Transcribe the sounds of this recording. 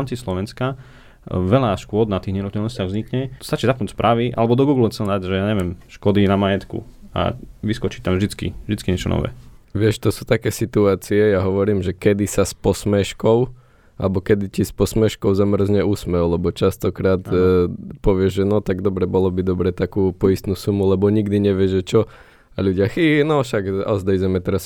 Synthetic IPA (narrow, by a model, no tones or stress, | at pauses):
mt͡sislɔʋɛnska | ʋɛlaʃkʊɔd̪nat̪iːɦɲɛnut̪ɛlnɔscɪaɣvzɲikɲɛst̪at͡ʃiːzapnuːspɾʔaʋiʔa̰lɛbɔd̪ɔɡuːɡlxt͡sɛlnd̪aɟʒɛjaːɲɛʋɪɛmʃkɔd̪inamajɛt̪kṵa̰ʋiskɔt͡ʃi̥t̪amʒd̪it͡skḭvʒd̪it͡skiɲɛt͡ʃɔnɔ̰ʋɛ̰ːʋɪɛʃt̪ɔsuːt̪akɛːsit̪uaːt͡siɛjaɦɔʋɔɾiːmʒɛkɛd̪isaspɔsmɛʃkɔʊ | a̰lɛbɔkɛd̪icispɔsmɛʃkɔʊzamr̩zɲɛusmɛwlɛbɔt͡ʃast̪ɔkɾaːt̪ | pɔʋɪɛʒʒɛnɔt̪aɡd̪ɔbɾɛbɔlɔbid̪ɔbɾɛt̪akuːpɔist̪nuːsumulɛbɔɲiɡd̪iɲɛʋɪɛʒɛt͡ʃɔ | aʎuɟɪaxinɔʃaɡɔ̰zd̪ɛjd͡zɛmɛt̪ɛɾas